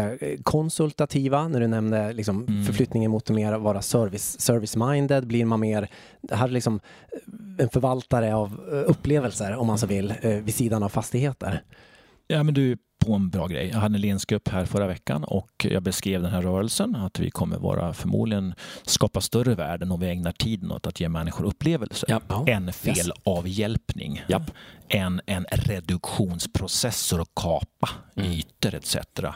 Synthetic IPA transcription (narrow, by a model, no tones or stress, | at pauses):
kʰɔnsɵlt̪at̪ʰiːvanæɖɵnɛmnəlɪksɔmffœɾflʏt̪nɪŋənmʊːt̪̚ːɛmeːɾvɑːɾasœɾvɪsːœɾvɪsmaɪnd̪əd̪bliɾmanmeːɾ | d̪̥ɛɦæːɾɭɪksɔm | ɛnfœɾvalt̪aɾəavɵpːleːvəlsəɾɔmːans̬oːvɪlːvɪsiːd̪anavfast̪ɪɡheːt̪ə̰ɾ | jaːmɛnd̪ɵæ | pʰɔɛnbɾɑ̰ːɡɾɛ̰jːjɑːɡɦad̪ːəɛnleːnsɡɾɵpːhæːɾfœɾavɛkːa̰nɔ̰kjɑ̰ːɡbɛskɾeːvd̪ɛnɦæɾːœːɾəlsənat̪vɪ̰kʰɔmːə̰ɾvɑ̰ːɾa̰fœɾmṵːd̪lɪɡənskɑːpast̪œrəvæːɖənɔmvɪɛŋnaʈʰiːd̪ənɔ̰t̪at̪jeːmɛnːɪɧʊɾɵpːleːvəlsəɛnfeːlɑːvjɛlpnɪ̰ŋ | ʔɛnɛnɾɛd̪ɵkɧuːnspʰɾʊsɛsːəɾɔkʰːɑːpayːt̪əɾɛt̪sɛ̰t̪ɾa̰